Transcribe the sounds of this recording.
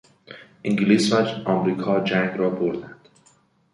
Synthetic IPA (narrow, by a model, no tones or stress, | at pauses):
ʔiŋɡliːsvæd͡ʒʔɒːmɾiːkʰɒːd͡ʒæŋɡɾɒːboɾd̪ænd̪̥